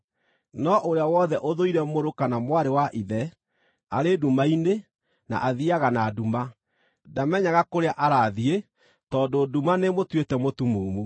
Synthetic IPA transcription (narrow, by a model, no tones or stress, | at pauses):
nɔʔoɾeawɔðɛʔoðoiɾɛmoɾokanamwaɾewaʔiðɛ | aɾedumaine | na̰ʔaðiaɣanaduma | damɛɲaɣakoɾeaʔaɾaðie | tɔːdodumanemotwetɛmotumumu